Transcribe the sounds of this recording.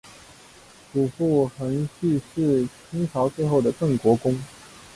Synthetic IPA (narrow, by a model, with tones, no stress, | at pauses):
ʈ͡ʂu˨˩fu˥˩xə˧˥nɕy˥˧ʂɻ̩˥˩t͡ɕʰi˥ŋʈ͡ʂʰɑ˧˥ʊt͡swe˥˧ɪxo˥˩ʊd̪ə˩kɤ˥˩ŋkwɔ˧˥kʊ˥ŋ